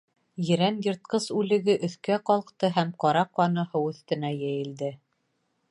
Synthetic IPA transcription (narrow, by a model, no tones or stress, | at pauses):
jɘ̆ɾænjɤ̆ɾt̪̚qɤsʉlɘ̆ɡɘʔɵ̆θkæqɒlˠɤ̆qt̪ɤɦæmqɒɾɑqɑnɤ̆hɤwɵ̆θt̪ɘ̆næjæjɘ̆ld̪ɘ